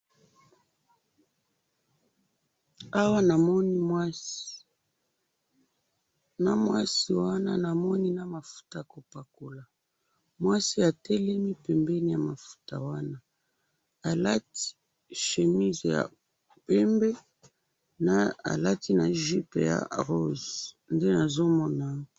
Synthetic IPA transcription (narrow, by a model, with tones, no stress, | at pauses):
a˦wa˦na˨mɔ˦ni˦mwa˦si̥˨ | na˨mwa˦si˨wa˦na˦na˨mɔ˦ni˦na˨ma˨fu̥˦ta˨ko˨pa˨ko˨la˨ | mwa˦si˦a˨tɛ˦lɛ˦mi˦pɛ˨mbɛ˦ni˦˨ja˨ma˨fu̥˦ta̰˨wa˦na˦ | a˨la˦ti̥˦ | ʃe˨mi˦zja̰˨ | pɛ˦mbɛ˦ | na˦a̰˨la˦ti˦na̰˨ʒi˦pḛ˨ja̰˨ʁo˦z | nde˦na˨zo˦mɔ˦na˨˦